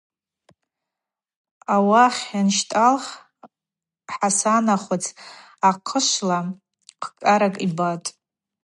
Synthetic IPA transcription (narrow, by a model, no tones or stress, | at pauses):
awaχʲanʃtʼalχ | ħasanaχʷat͡sʰ | aqʰəʃʷla | qʰkʼaɾakʼibatʼ